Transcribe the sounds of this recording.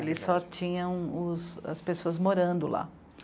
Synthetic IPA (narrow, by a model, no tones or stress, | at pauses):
elɪsɔt͡ʃĩɲɐ̃w̃ʊsɐ̰spesoɐzmoɾɐ̃nd̪ʊla̰